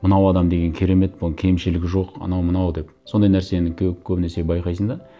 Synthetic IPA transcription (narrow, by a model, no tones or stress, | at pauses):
mənɑwɑd̪ɑmd̪e̞ɡʲeŋkʲʰeɾe̞me̞t̪̚bʊkʲʰe̞jmʃɪlɪɡʲɪʒo̞qɑ̰nɑwmənɑwd̪e̞pso̞nd̪ɑjnæɾse̞nɪkʲʰɵkʲʰɵbɪnæɾse̞bɑjqɑjsənd̪ɑ